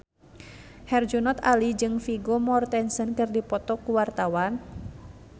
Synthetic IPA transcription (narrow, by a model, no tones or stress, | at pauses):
hɛrd͡ʒunɔt̪a̰lid͡ʒɨŋfiɡomɔrt̪ɛnsənkɨrdipɔt̪ɔkuwart̪awan